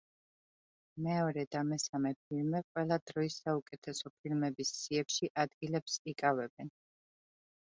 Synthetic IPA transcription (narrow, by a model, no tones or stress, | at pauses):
mɛɔɾɛd̪amɛsamɛp̚ʰilmɛqʼwɛlˠad̪ɾɔisːaukʼɛt̪ʰɛsɔpʰilmɛbisːiɛpʃiʔad̪ɡilɛpsikʼavɛbɛn